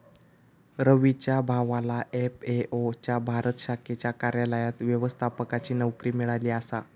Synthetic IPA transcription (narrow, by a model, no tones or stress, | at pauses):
ɾəʋit͡ɕjabʱaʋalaʔepeʔot͡ɕjabʱaɾət̪əɕakʰet͡ɕjakaɾjaləjat̪ʋjəʋəst̪ʰapəkat͡ɕiːnəʋkɾiːmiɭaliːasa̰